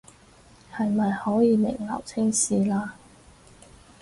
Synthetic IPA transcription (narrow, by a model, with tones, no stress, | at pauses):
hɐ˨jmɐ˨jhɔː˨˥jiː˨˧mɪ̰˨˩ŋlɐ̰ː˨˩wt͡sʰɪ˥ŋsiː˨laː˥